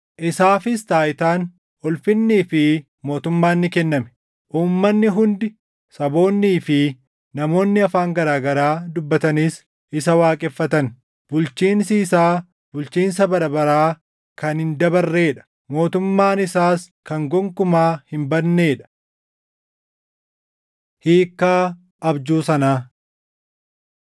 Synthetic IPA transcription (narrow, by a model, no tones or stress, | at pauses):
ʔɪsaːfɪst̪aːɪt̪aːn | ɔlfɪnːiːfɪ | mo̞ːt̪ʊmːaːnːɪkɛnːɐmɛ̥ | ʔuːmːɐnːɪɦʊnd̪ɪ | sɐbo̞ːnːiːfɪ | nɐmo̞ːnːɪɐfaːŋɡɐɾaːɡɐɾaːd̪ʊbːɐt̪ɐniːs | ʔɪsɐwaːkʼɛfːɐt̪ɐn | bʊlt͡ʃiːnsiːsaː | bʊlt͡ʃiːns̬ɐbɐɾɐbɐɾaː | kɐnhɪnd̪ɐbɐrːe̞ːᶑɐ̥ | mo̞ːt̪ʊmːaːnɪsaːs | kɐŋɡɔŋkʊmaːhɪmbɐnːe̞ːᶑɐ̥ | hiːkːaː | ʔɐbd͡ʒuːsɐnaː